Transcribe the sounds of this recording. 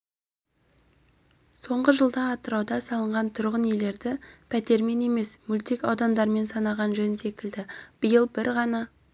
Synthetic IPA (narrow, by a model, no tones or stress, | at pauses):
so̞ɴʁəʒəlˠd̪ɑːt̪əɾɑwd̪ɑsɑlˠəɴʁɑnt̪ʰʊɾʁənje̞le̞ɾd̪ɪpʰæt̪e̞ɾme̞ne̞me̞smult̪ikɑwd̪ɑnd̪ɑɾme̞nsɑnɑʁɑnʒɵnse̞kʲɪld̪ɪb̥əjəlˠbɪɾʁɑnɑ